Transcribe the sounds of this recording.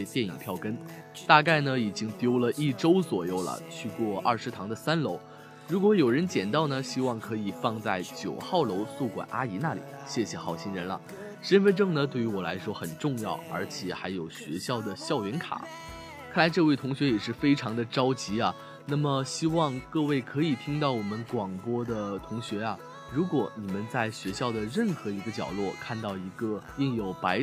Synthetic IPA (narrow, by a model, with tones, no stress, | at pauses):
t̪jɛ˥˩ni˨˩ŋpʰjɑ˥˩ʊkə˥n | t̪a˥˧ka˥˩ɪnə˩i˨˩t͡ɕi˥ŋt̪jo˥ʊlə˨ʔi˥˩ʈ͡ʂo˥ʊswɔ˨˩jo˥˩ʊlə̰˩t͡ɕʰy˥˧kwɔ˥˩ʔɐ̰˥˩ʂɻ̩˧˥t̪ʰɑ˧˥ŋd̪ə˨sa˥nlo˧˥ʊ | ɻu˧˥kwɔ˧˥jo˨˩ʊɻə˧˥nt͡ɕjɛ˨˩nt̪ɑ˥˩ʊnə˩ɕi˥wɑ˥˩ŋkʰɤ˧˥i˨˩fɑ˥˧ŋt͡sa˥˩ɪt͡ɕjo˨˩ʊxɑ˥˩ʊlo˧˥ʊsu˥˩kwa̰˨˩nʔa˥i˧˥na˥˩lḭ˨˩˦ɕjɛ˥˩ɕjɛ˨˩xɑ˥˩ʊɕi˧˥nɻə˧˥nlɐ̰˧ | ʂə˥nfə˥nʈ͡ʂɤ˥˩ŋnə˩t̪we˥˩y˧˥wɔ˨˩la̰˧˥ɪʂwɔ˥xə˨˩nʈ͡ʂʊ˥˧ŋjɑ̰˥˩ʊə˞˧˥t͡ɕʰjɛ˨˩˦xa˧˥ɪjo˨˩ʊɕɥɛ̰˧˥ɕjɑ˥˩ʊd̪ə˩ɕjɑ˥˩ʊɥɛ˧˥nkʰa̰˨˩˦ | kʰa˥˩la˧˥ɪʈ͡ʂɤ˥˧we˥˩ɪt̪ʰʊ˧˥ŋɕɥɛ˧˥jɛ˨˩ʂɻ̩˥˩fe˥ɪʈ͡ʂʰɑ˧˥ŋd̪ə˧ʈ͡ʂɑ˥ʊt͡ɕi˧˥ɐ˨ | na˥˩mə˩ɕi˥wɑ˥˧ŋkɤ˥˧we˥˩ɪkʰɤ˧˥i˨˩t̪ʰi˥ŋt̪ɑ˥˩ʊwɔ˨˩mə˦nkwɑ˨˩ŋpwɔ˥d̪ə˨t̪ʰʊ˧˥ŋɕɥɛ˧˥ɐ˧ | ɻu˧˥kwɔ˨˩ni˨˩mə˦nt͡sa˥˩ɪɕɥɛ˧˥ɕjɑ˥˩ʊd̪ə˩ɻə˥˩nxɤ˧˥i˧˥ɡə˧t͡ɕjɑ̰˨˩ʊlwɔ˥˩kʰa˥˧nt̪ɑ˥˩ʊi˧˥ɡə˧i˥˩ŋjo˨˩ʊpa˧˥ɪ